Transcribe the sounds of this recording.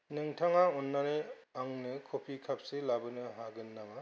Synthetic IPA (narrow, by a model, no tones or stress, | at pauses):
nɯŋtʰaŋaɔnːane | aŋnɯkʰopʰikʰap̚selabɯnɯɦaɡɯnːaŋa